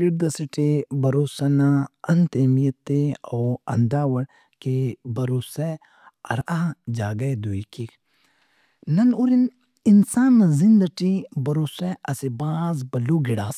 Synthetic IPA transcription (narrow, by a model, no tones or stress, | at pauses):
piɾd̪ɐsiʈebɐɾoːsɐnaɐnt̪emijɐt̪eoːɐ̰nd̪aːwɐɽ | kebɐɾoːsɛ | ɐ̰ɾaɦd͡ʒaːɡɐjd̪uikik | nɐnuɾin | insaːnːɐzind̪ɐʈibɐɾoːsɛɐsibaːzbɐluːɡiɽaːs